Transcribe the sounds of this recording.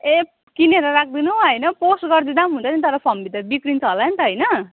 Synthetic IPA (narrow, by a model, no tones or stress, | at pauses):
e | kineɾʌrak̚ʰd̪inuɦʌjnʌposɡʌrd̪id̪amɦunt͡sʰʌnit̪ʌɾʌpʰʌmbit̪ʌbikɾint͡sʰʌɦolanit̪ʌɦʌjnʌ